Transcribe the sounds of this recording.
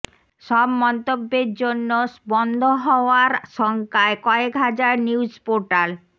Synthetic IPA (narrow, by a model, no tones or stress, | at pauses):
ʃɔbmɔnt̪obːeɾd͡ʑonːosbɔnd̪ʱoɦɔoaɾʃɔŋkaekɔekɦad͡ʑaɾniud͡ʑpoɾʈal